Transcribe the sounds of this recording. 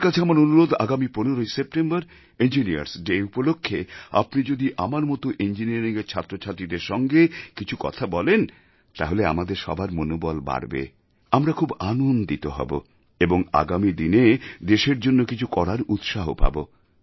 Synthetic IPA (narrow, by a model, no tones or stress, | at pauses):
ɾkat͡ɕʰeamaɾonuɾod̪a̰ɡamiponeɾojsep̚ʈembaɾ | end͡ʑinia̰ɾsɖeupolokʰːea̰pnid͡ʑod̪iʔamaɾmɔt̪oʔend͡ʑiniaɾiŋeɾt͡ɕʰat̪ːɾot͡ɕʰat̪ɾid̪eɾʃɔŋɡekit͡ɕʰukɔ̰t̪ʰabɔlen | t̪a̰ɦolea̰mad̪eɾʃɔ̰baɾmonobɔlba̰ɽbḛ | amɾakʰubanond̪it̪oɦɔ̰bo̰ | eboŋa̰ɡamid̪ined̪eʃeɾd͡ʑonːokit͡ɕʰukɔɽaɾut̪ʃaɦopa̰bo